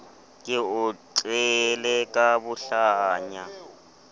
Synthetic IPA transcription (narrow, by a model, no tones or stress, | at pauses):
kʼɪʊǀɛlɛkʼabʊɬaɲa